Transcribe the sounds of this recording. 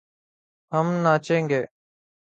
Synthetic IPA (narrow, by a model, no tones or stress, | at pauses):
ɦəmnaːt͡ʃẽːŋɡeː